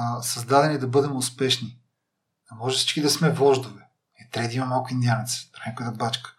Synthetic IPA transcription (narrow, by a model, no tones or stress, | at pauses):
sɐzd̪ad̪ɛnid̪ɐbɤd̪ɛmʊspɛʃni | d̪ɐmɔʒɛsi̥t͡ʃkid̪ɐsmɛvɔʒd̪ovɛ | ɛt̪ɾɛd̪iimɐmalˠkʊind̪ijanɛt̪st̪ɾnʲakoəd̪ɐbat͡ʃkə̥